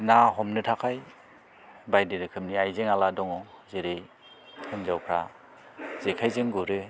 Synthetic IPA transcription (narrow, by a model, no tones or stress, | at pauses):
naɦɔmnɯtʰakʰaj | bajdeɾɯkʰɯm̚niajzeŋaladɔŋɔzeɾɯj | hɯnzawkʰɾa̰ | zekʰajzɯŋɡuɾɯ